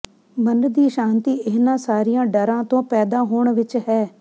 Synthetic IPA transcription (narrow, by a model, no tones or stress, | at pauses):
mənɖd̪iːʃaːnt̪iːʔɪːnãːsaːɾijãːɖəɾãːt̪õːpɛːd̪aːɦoːɳʋɪt͡ʃɦɛː